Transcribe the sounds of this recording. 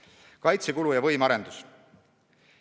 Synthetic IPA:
kɑjt̪sekulujɑvɤjmɑɾe̞nd̪̥us

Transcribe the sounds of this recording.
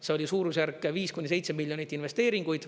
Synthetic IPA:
seolʲisuːɾusjærkːˑeviːskunʲːis̬e̞jt̪semiljo̞nʲit̪ːˑinve̞st̪e̞ːɾiŋɡ̥ujd̪̥

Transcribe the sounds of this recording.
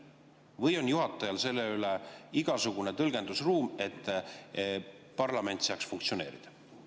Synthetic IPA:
vɤjo̞njuɦɑt̪ːˑɑjɑlse̞lːe̞yleiɡ̥ɑsuɡ̥une̞t̪ɤlɡ̥e̞nd̪usruːme̞t̪ːˑ | pɑrlɑme̞nt̪sɑːksfuŋkt̪sio̞ne̞̰ːɾid̪̥ɑ

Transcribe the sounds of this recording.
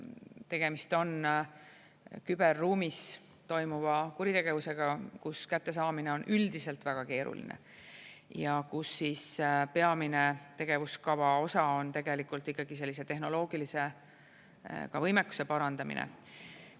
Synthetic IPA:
t̪e̞ɡ̥e̞mist̪o̞n | kyb̥e̞rːuːmis | t̪o̞jmuvɑkuɾit̪e̞ɡ̥e̞vuse̞ɡ̥ɑkuskæt̪ːe̞sɑːmineo̞nʔyld̪ise̞lt̪væɡ̥ɑke̞ːɾṵlḭnḛ | jɑkusːiːspe̞ɑminet̪e̞ɡ̥e̞vuskɑvɑo̞sɑo̞nt̪e̞ɡe̞likˑult̪ːikːɑɡ̥is̬e̞lːise̞t̪e̞ɦno̞lo̞ːɡ̥ilise̞ | kɑvɤjmekːˑu̥se̞pɑɾɑnd̪̥ɑmḭnʔḛ

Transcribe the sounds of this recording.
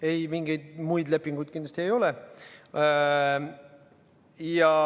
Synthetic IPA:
e̞jmiŋɡ̥ejd̪̥mujd̪le̞pːˑiŋɡ̥ujd̪̥kind̪lɑst̪ie̞jo̞lɛ | jɑ

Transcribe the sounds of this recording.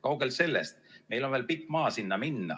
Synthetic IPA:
kɑwɡ̥else̞lːest̪me̞jlo̞nvelpikːˑmɑːsinːɑminːɑ̰

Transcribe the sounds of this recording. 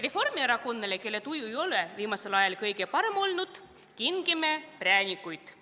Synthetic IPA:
re̞fo̞rmieɾɑko̞nːeleke̞lːe̞t̪ujuejo̞leviːmɑselɑjɑlkɤjɡe̞pɑɾe̞mo̞lnud̪̥ | kiŋɡ̥imepræːnʲikːujt̪

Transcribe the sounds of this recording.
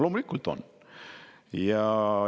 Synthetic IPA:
loːmulʲikːult̪o̰n | jɑ

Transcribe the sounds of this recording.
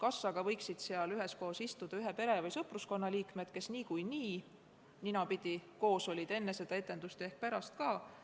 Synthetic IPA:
kɑsːɑɡ̥ɑvɤ̞jksid̪̥seɑlyɦesko̞ɦːsist̪ud̪̥ɑyɦepe̞ɾe̞vɑjsɤpˑrusko̞nːɑliːkmet̪ke̞sniːkujniː | ninɑpid̪̥iko̞ːso̞lʲid̪e̞nːe̞se̞d̪̥ɑe̞t̪ːˑe̞nd̪ust̪e̞hk̚pæɾɑst̪kɑː

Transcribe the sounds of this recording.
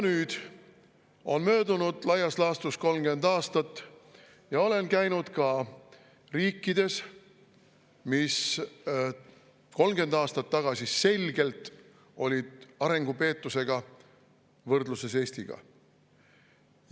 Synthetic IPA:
nyːd̪̥ | o̞nmø̞ːd̪unud̪̥lɑjɑslɑːst̪usko̞lmɡ̥e̞nd̪ɑːst̪ɑt̪ːˑ | jɑo̞le̞nkæjnud̪̥kɑ | riːkːid̪̥e̞s | mis | ko̞lmɡ̥e̞nd̪ɑːst̪ɑt̪ːɑɡ̥ɑsʲise̞lʲɡ̥e̞lt̪ːˑ | o̞lʲid̪̥ɑɾe̞ŋɡ̥upe̞ːt̪ːˑuse̞ɡ̥ɑ | vɤrd̪luse̞se̞ːsʲt̪iɡ̥ɑ̰

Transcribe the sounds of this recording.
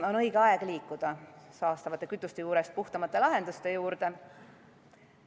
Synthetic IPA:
o̞nɤ̞jɡ̥eɑɛɡ̥liːkːˑud̪̥ɑsɑːst̪ɑvɑt̪ːˑe̞kyt̪ːˑust̪e̞juːɾe̞st̪̚puht̪ɑmɑt̪ːˑe̞lɑɦe̞nd̪ust̪e̞juːɾd̪̥e̞

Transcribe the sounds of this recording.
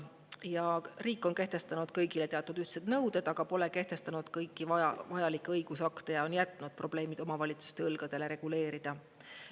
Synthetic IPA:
jɑriːkːˑo̞nke̞ht̪e̞st̪ɑnud̪̥kɤjɡile̞t̪eɑt̪ːˑud̪̥yht̪sed̪nɤwd̪̥e̞d̪̥ɑɡ̥ɑpo̞leke̞ht̪e̞st̪ɑnud̪̥kɤjkːˑivɑɑvɑjɑlikːˑeɤjɡ̥usɑkt̪e̞jɑo̞njæt̪ːˑnud̪̥̚pro̞b̥le̞ːmid̪̥o̞mɑvɑlʲit̪su̥st̪e̞ɯlɡ̥ɑd̪̥e̞le̞ɾe̞ɡ̥ule̞ːɾid̪̥ɑ

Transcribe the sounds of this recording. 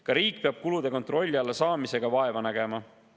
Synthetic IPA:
kɑɾiːkpeɑb̥̚kulud̪̥e̞ko̞nt̪ro̞lʲːiɑlːesɑːmise̞ɡ̥ɑvɑe̞vɑnæɡe̞mɑ

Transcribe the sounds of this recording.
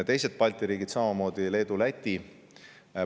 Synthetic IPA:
t̪e̞jse̞t̪̚pɑlʲt̪ˑiɾiːɡid̪sɑmɑmo̞ːd̪̥ile̞ːd̪ulæt̪ʲːi

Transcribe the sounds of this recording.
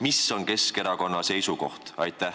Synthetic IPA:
misːo̞nke̞skeɾɑko̞nːɑse̞jsuko̞̰ht̪ɑjt̪ːæ

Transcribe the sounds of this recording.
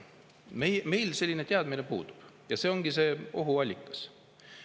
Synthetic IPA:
mejme̞jlse̞lʲːine̞t̪eɑd̪mine̞pṵːd̪u̥b̥ | jɑse̞ːo̞ŋɡ̥ise̞ːo̞ɦuɑlʲːikːˑɑ̥s

